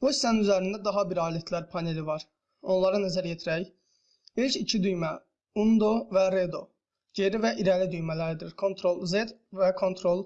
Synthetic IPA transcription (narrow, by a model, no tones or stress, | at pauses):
buisæninyzæɾind̪æd̪ɑɦɑbiɾɑːliet̪ʰlæɾpʰɑne̞livɑɾ | o̞nlˠɑɾɯnæzæɾjet̪ʰiɾæj | ilʲcʰicʰid̪yjmæ | und̪ovæɾed̪o̞ | ɟe̞ɾivæʔiɾælid̪yjmælæɾid̪iɾkʰo̞nt̪ʰɾo̞lˠzed̪vækʰo̞nt̪ʰɾolˠ